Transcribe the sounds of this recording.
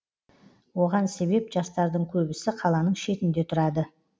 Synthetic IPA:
wo̞ʁɑnse̞be̞pʒɑst̪ɑɾd̪əɴkʲʰɵbɪsɪqʰɑlˠɑnəɴʃe̞t̪ɪnd̪e̞t̪ʰʊɾɑd̪ə

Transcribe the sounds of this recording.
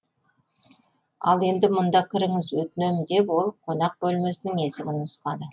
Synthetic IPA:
ɑ̰lˠe̞nd̪ɪmʊnd̪ɑkʲʰɪɾɪŋɪzwɵt̪ɪnemɪd̪e̞pwo̞lˠqʰo̞nɑq̚bɵlme̞sɪnɪŋesɪɡʲɪnʊslˠɑd̪ə

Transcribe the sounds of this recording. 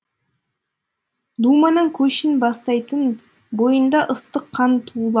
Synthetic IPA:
d̪umɑnəɴkʲʰɵʃɪnbɑst̪ɑjt̪ən | bo̞jənd̪ɑʔəst̪əqʰːɑnt̪ʰuːlˠɑ

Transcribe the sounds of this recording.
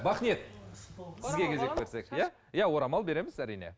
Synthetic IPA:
bɑχnie̞t̪̚ | sɪzɡʲe̞kʲʰe̞ze̞k̚be̞ɾse̞kjæ | jawo̞ɾɑmɑlˠbe̞ɾe̞mɪzæɾijne̞̰

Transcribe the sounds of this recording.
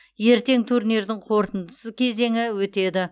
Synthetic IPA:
je̞ɾt̪e̞ŋt̪ʰuɾneɾd̪ɪŋqʰo̞ɾt̪ənd̪əsəkʲʰe̞ze̞ŋɪwɵt̪e̞d̪ɪ

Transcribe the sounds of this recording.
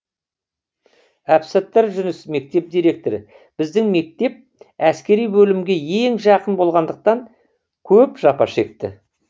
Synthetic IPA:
æpset̪ːeɾʒʏnɪsme̞k̚t̪e̞p̚d̪ijɾe̞k̚t̪oɾɪ | b̥ɪzd̪ɪŋme̞k̚t̪e̞p̚ | æskʲe̞ɾijbɵlɪmɡʲe̞je̞ŋʒɑqənbo̞lˠʁɑnd̪əq̚t̪ɑŋ | kʲʰɵpʒ̥ɑpɑ̰ʃe̞k̚t̪ɪ̰

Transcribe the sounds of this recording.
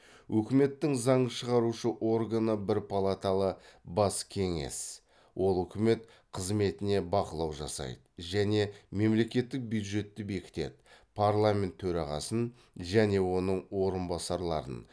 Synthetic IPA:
wʔɵkʲɪme̞t̪ːɪŋzɑɴəʃəʁɑɾuʃəʔo̞rɡanəbɪɾpʰalˠat̪alˠəbɑskʲʰe̞ŋḛs | wʔo̞lˠɵkʲɪme̞t̪ | qʰəzme̞t̪ɪne̞bɑqəlˠɑwʒɑ̰sɑ̰jd̪əʒæne̞me̞mle̞kʲe̞t̪ːɪk̚bjud̪ʒe̞t̪ːɪbe̞kʲɪ̥t̪e̞̰d̪ɪ | pʰaɾlˠamʲe̞nt̪ʰːɵɾɑʁɑ̰sən | ʒæne̞wo̞nəɴwo̞ɾənbɑsɑɾlˠɑ̰ɾə̰n

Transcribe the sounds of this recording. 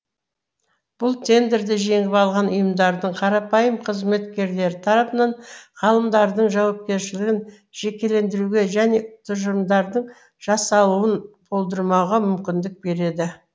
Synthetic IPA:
b̥ʊlˠt̪ʰe̞nd̪eɾd̪ɪʒe̞ŋɪpɑlˠʁɑnʊjəmd̪ɑɾd̪əɴqʰɑɾɑpɑjəmqʰəzme̞t̪kʲe̞ɾle̞ɾɪt̪ʰɑɾɑpənɑɴʁɑlˠəmd̪ɑɾd̪əɴʒɑwɑp̚kʲe̞ɾʃɪlɪɡʲɪn | ʒ̥e̞kʲe̞le̞nd̪ɪɾuɡʲe̞ʒæne̞t̪ʰʊʒəɾəmd̪ɑɾd̪əɴ | ʒ̥ɑsɑlˠuwənbʰo̞lˠd̪əɾmɑʁɑmʏmkʲɪnd̪ɪk̚be̞ɾe̞d̪ɪ

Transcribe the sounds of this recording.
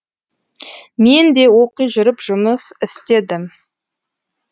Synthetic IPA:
me̞nd̪e̞wo̞qijʒʏɾəpʒ̥ʊməsɪst̪e̞d̪ɪm

